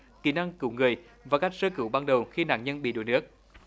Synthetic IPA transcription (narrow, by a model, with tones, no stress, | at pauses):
kḭ˧˩˦na˧ŋkɨ̰˧˩wŋɨ˨˩əj | vaː˨˩ka˦˥jk̚səː˧kɨ̰˧˦wɓaː˧nɗə˨˩wxi˧na̰ː˧˨nɲə˧nɓḭ˧˨ɗo̰˨˧˩nɨ˦˥ək̚